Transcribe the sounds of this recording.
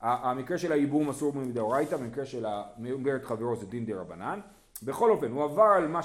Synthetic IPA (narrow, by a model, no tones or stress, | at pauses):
amikʁe̞ʃe̞laibumasuʁmimd̪eoʁajt̪abemikʁeʃelameuɡeʁetχaveʁozed̪ind̪eʁabanan | be̞χo̞lo̞fe̞nhuavaʁalma